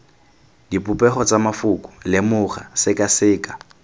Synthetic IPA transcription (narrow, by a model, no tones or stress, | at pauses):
dipʼʊpʼɛχɔt͡samafʊkʼʊ̥lɪmʊχasɪkʼasɪːkʼḁ